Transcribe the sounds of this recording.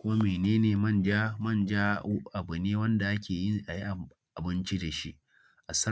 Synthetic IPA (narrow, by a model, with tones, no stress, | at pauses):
kʷʊ˦a˦meː˨neː˦neː˨mɐ˦˨nd͡ʒa˦mɐ˦˨nd͡ʒaː˦ʔa˨bʊ˨neː˦wɐ˦nda˨ʔa˦kʲʰeː˨ji˦ʔa˨ji˦ʔ | ʔa˨bɪ˦nt͡ʃi˦da˨ʃi˦ʔ | ʔa˨sɐ˦